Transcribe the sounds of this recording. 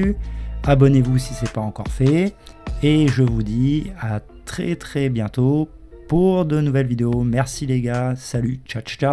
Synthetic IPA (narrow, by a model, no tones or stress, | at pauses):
abɔnevusisɛpaɑ̃kɔʁfɛ | eʒəvud̪ia | t̪χɛt̪χɛbjɛ̃t̪o | puʁd̪ənuvɛlvid̪eomɛʁsileɡasalyt͡ʃat͡ʃka